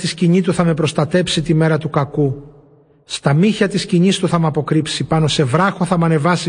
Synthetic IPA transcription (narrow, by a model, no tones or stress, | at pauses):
t̪isciɲit̪uθɐme̞pɾo̞st̪ɐt̪e̞psit̪ime̞ɾɐt̪ukɐku | st̪ɐmiçɐt̪isciɲist̪uθɐmɐpo̞kɾipsipɐno̞se̞vɾɐxo̞θɐmɐne̞vɐsi